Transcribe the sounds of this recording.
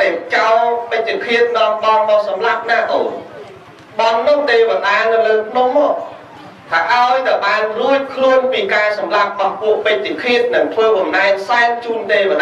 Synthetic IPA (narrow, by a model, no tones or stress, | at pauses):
ɗat͡ɕaɔpɨc̚t͡ɕikʰiət̪̚nɔ̆əmɓɑŋmɔʔ̚sɑmlap̚naːʔo | ɓɑnːʊhɗeːʋaɗaːnɨwləːp̪ʰnohmɔ̆əʔ̚ | t̪ʰaːʔaɔjt̪aɓaːnruəc̚kʰluənpiːkaːsɑmlap̚ɓɑŋpuəʔpəc̚t͡ɕikʰiət̪̚nɨŋt̪ʰʋəːɓɑmnaɛk̚saɛŋt͡ɕuːnɗeːʋəɗ